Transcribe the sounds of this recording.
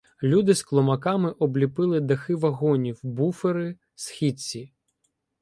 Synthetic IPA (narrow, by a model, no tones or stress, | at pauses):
lʲud̪ɪsklˠɔmɐkɑmɪʔɔblʲipɪlˠɪd̪ɐxɪʋɐɦɔnʲiwbufeɾɪ | sxʲit͡sʲi